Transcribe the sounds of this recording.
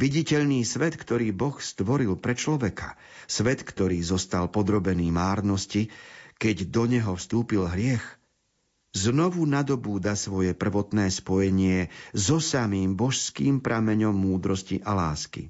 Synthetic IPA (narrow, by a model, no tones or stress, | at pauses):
ʋiɟicɛʎniːsʋɛt̪kt̪ɔɾiːbɔxst̪ʋɔɾilpɾɛt͡ʃlɔʋɛkḁ | sʋɛt̪kt̪ɔɾiːzɔst̪alpɔd̪ɾɔbɛniːmaːɾnɔscikɛɟd̪ɔɲɛɦɔfst̪uːpilɦɾɪɛx | znɔʋunad̪ɔbuːd̪asʋɔjɛpr̩ʋɔt̪nɛːspɔjɛɲɪɛzɔsamiːmbɔʃskiːmpɾʔamɛɲɔmːuːd̪ɾɔscḭʔalaːskḭ